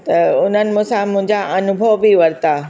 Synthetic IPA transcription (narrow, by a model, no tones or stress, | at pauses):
t̪ɐʊn̤ənɪ̆mʊ̃sãmʊ̃ɦɪ̃ɲd͡ʑaʔɐnʊbʱəʋbiʋɐɾt̪aː